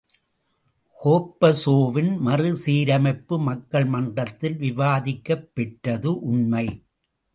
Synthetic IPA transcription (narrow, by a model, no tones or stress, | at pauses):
hoːpːɐsoːʋɪnmɐrɯsiːɾɐmɐɪpːɯmɐkːɐɭmɐɳdrɐt̪ːɪlʋɪʋaːðɪkːɐpːɛʈɾɐðɯʔʊnmɐɪ